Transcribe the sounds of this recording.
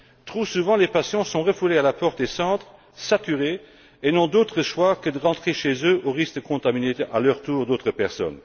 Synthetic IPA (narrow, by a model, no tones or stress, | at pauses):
t̪ʁusuvɑ̃lepasjɔ̃sɔ̃ʁəfulealapɔʁt̪d̪esɑ̃ːt̪χ | sat̪yʁe | enɔ̃d̪ot̪χəʃwakəd̪əʁɑ̃t̪χeʃezøʔoʁiskəkʰɔ̃t̪aminea̰lœʁt̪uːʁd̪oːt̪χəpɛʁsɔ̰n